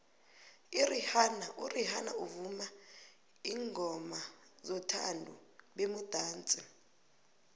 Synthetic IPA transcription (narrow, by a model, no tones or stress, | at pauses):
irihanaʔurihana̰uvuma | iːŋʱɔma | zɔtʰa̰ndʱṵɓemud̥ʱaːnt͡sʼi